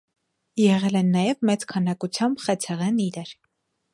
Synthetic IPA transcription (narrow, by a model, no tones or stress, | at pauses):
jɛʁɛlɛnːɑjɛvmɛt͡skʰɑnɑkut͡sʰjɑmbχɛt͡sʰɛʁɛniɾɛɾ